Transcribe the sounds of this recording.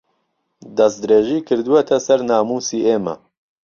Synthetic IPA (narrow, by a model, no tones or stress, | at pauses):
d̪ɐsd̪ɨɾeːʒiːkʰɨɾd̪uwɛt̪ʰɛsɛɾnaːmuːsiːʔeːmɐ̰